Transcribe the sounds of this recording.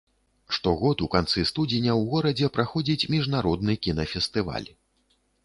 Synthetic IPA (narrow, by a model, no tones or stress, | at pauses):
ʂt̪ɔɣɔt̪ukant̪sɨst̪ud͡zʲinʲɐwɣɔɾɐd͡zʲɛpɾaxɔd͡zʲit͡sʲmʲiʐnaɾɔd̪nɨkʲinɐfʲɛst̪ɨva̰lʲ